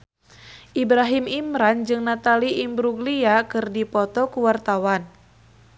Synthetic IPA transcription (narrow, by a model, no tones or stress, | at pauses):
ʔibɾaɦimimɾand͡ʒɨŋnat̪aliʔimbɾuɡliakɨrdipɔt̪ɔkuwart̪awan